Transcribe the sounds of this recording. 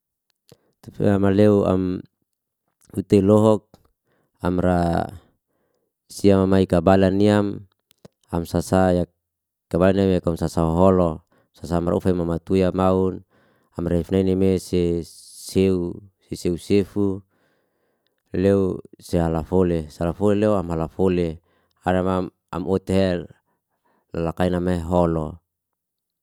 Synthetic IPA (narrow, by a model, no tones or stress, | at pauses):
t̪famaleua̰m | ut̪elɔɦɔk̚ | amra | siamamaikabalaniam | amsasaja | kabalaniamjakamsasaoɦɔlɔ | sasaːmra̰ufaimamat̪ujamaun | amrefnainemeseseuseseusefu | leuseɦalafolesalafoleleuamɦalafole | aɾama | a̰mot̪ɦe | lalakainameɦɔlo